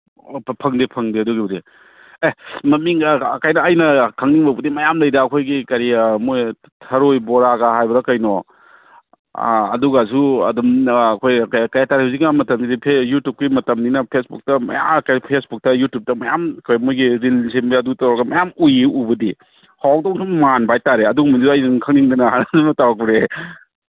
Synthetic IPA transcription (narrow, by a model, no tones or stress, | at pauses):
pʰɐŋdipʰɐŋdiɐduɡibɐdi | emɐmiŋːkajnɐːjnɐkʰɐŋniŋbɐbɐdimɐjamlɐjdɐːkʰojɡikɐɾimoj | tʰɐɾojbɔɾaɡɐɦajbɐɾɐkɐjnɔ | ɐ̰duɡasuɐ̰dumːkʰojkkɐjataɾiɦawzik̚ːamɐtɐmidipʰejutjup̚kimɐtɐmninɐpʰesbuk̚tɐmɐ̰ja̰mkɐpʰesbuk̚tɐjutjup̚tɐmɐjamkʰojmojɡiɾilsembiɐdutɐwɾɐɡɐmɐjamujiubɐdi | hawk̚dɔŋsumanbajtaɾeɐduɡɐmidisajdinkʰɐŋniŋdɐnɐɦanazumɐtaɾak̚biɾe